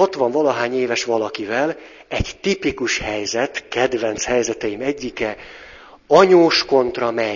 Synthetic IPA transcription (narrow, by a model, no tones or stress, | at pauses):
ɒt̪ʋɒɱvɒlɒɦaːɲeːvɛʃʋɒlɒkivɛl | ɛɟt̪ipikuʃhɛjzɛt̪kɛd̪ʋɛnt̪shɛjzɛt̪ɛjimɛɟːikɛ | ɒɲoːʃko̞nt̪rɒmɛ